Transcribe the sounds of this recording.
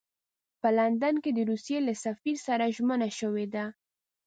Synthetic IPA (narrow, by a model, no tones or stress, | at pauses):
pəland̪anked̪əɾusjelasafiɾsaɾaʒmənaʃəwed̪a